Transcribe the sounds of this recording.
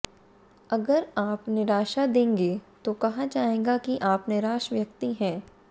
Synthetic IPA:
ɐɡəɾaːpnɪɾaːʃad̪ẽːŋɡet̪okɐɦad͡ʒaːẽːɡakiʔaːpnɪɾaːʃʋjɐk̚t̪iɦɛ̃ː

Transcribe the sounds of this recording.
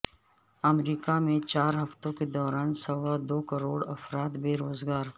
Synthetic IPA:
ɐmɾiːkamẽt͡ʃaːɾɦɐft̪õked̪ɔːɾaːnsɐwad̪oːkɐɾoːɽɐfɾaːt̪beːɾoːzɡaːɾ

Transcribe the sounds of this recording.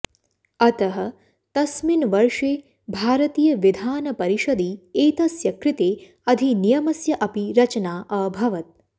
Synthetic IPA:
ɐt̪ɐɦɐ̆ | t̪ɐsminʋɐɾʂeː | bʱaːɾɐt̪iːjɐʋid̪ʱaːnɐpɐɾiʃɐd̪iːeːt̪ɐsjɐkɾit̪eː | ɐd̪ʱinijɐmɐsjɐʔɐpiɾɐt͡ʃɐnaːʔɐːbʱɐʋɐt̪̚

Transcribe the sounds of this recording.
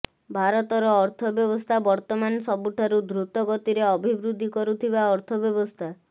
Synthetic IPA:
bʱaɾɔt̪ɔɾɔːɾt̪ʰɔbjɔβɔst̪ʰabɔɾt̪ɔmansɔbuʈʰaɾud̪ɾut̪ɔɡɔt̪iɾeɔbʱibɾud̪ʱːikɔɾut̪ʰibaɔɾt̪ʰɔbjɔbɔst̪ʰa

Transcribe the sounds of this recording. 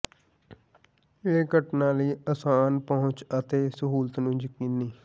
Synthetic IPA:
eːɡəʈnaːləiːəsaːnpɔɦʊ̃t͡ʃət̪eːsəɦuːlət̪nũːd͡ʒəkiːniː

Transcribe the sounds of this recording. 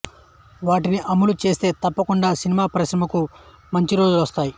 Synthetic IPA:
ʋaːʈiniʔɐmulut͡ʃe̞ːst̪e̞ːt̪ɐpːɐkuɳɖaːsinimaːpɐɾiʃɾɐmɐku | mɐɲt͡ʃiɾo̞ːd͡ʒuluʋɐst̪aːji

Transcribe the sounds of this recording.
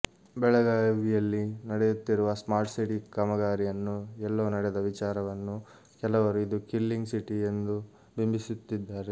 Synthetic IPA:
bɛɭɐɡaːʋijɐlːinɐɽejut̪ːiɾuʋɐsmaːɾʈsiʈikɐmɐɡaːɾijɐnːuɛlːoːnɐɽɛd̪ɐʋit͡ʃaːɾɐʋɐnːu | kɛlɐʋɐɾuid̪ukilːiŋɡsiʈie̞nd̪u | bimbʱisut̪ːid̪ːaːɾe

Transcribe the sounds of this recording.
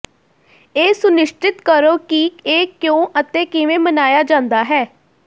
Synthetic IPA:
eːsʊnɪʃʈɪt̪kəɾoːkiːkeːkjõːʔət̪ẽːkɪʋẽːmənaːjaːd͡ʒãːnd̪aːɦɛː

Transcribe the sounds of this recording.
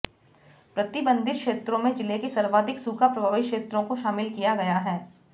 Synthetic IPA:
pɾɐt̪ɪbə̃nd̪ɪɾkʃeːt̪ɾõmẽd͡ʒɪlekisɐɾʋaːd̪ɪksuːkʰapɾɐbʱaːʋikʃeːt̪ɾõkoʃaːmɪlkijaɡɐjaɦɛː

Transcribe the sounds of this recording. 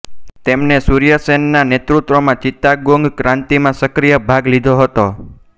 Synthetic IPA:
t̪emnesuɾijəsɛnːanet̪ɾut̪ʋomãt͡ʃit̪aɡoŋɡkɾãnt̪imãsəkɾijəbʱaɡlid̪ʱoɦət̪o

